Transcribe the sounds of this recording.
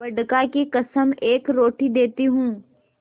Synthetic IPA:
ɐɖkakikɐsəmeːkɾoːʈid̪eːt̪iɦũː

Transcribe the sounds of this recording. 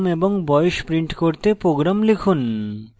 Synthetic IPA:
meboŋbɔjeʃpɾiɳʈkoɾt̪epɾoɡɾamlekʰun

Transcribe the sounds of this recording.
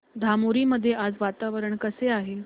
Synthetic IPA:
d̪ʱamoɾiːməd̪ʱːjead͡zʋat̪aʋəɾəɳkəseaɦe

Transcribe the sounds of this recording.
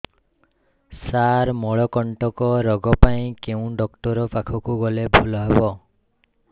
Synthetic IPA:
saɾmɔɭɔkɔɳʈɔkɔɾɔɡɔpaĩkeũɖɔkʈɔɾɔpakʰɔkuɡɔlebʱulɔɦebɔ

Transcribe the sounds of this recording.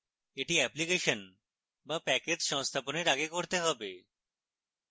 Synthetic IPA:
eʈiɛplikeʃon | bapɛked͡ʑʃɔŋst̪ʰaponeɾaɡekoɾt̪eɦɔbe

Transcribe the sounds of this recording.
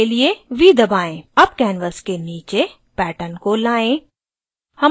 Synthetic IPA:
elieʋiːd̪ɐbaːẽɐbkɛːnʋəskeniːt͡ʃe | pɛːʈənkolaːẽː | hɐm

